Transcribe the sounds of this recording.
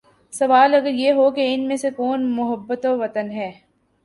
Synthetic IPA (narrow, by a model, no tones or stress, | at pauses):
sɐʋaːlɐɡəɾjeːɦokeɪnmẽsekɔːnmʊɦəbːət̪oʋɐt̪ənɦɛː